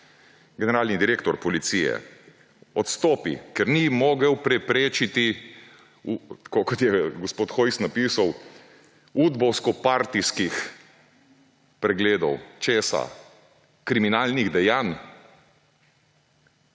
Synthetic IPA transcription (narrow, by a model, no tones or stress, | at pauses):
ɡɛnɛɾaːlnid̪iɾeːkt̪ɔɾpɔlit̪siːjɛ̰ | ɔt̪st̪ɔːpḭkɛɾnimoːɡɛwpɾɛpɾeːt͡ʃit̪i | ut̪kokɔt̪jɛɡɔspoːt̪xɔjsnapiːsaw | ud̪bɔwskɔpaɾt̪iskix | pɾɛɡleːd̪ɔwt͡ʃeːsa̰ | kɾiminaːlniɣd̪ɛjaːn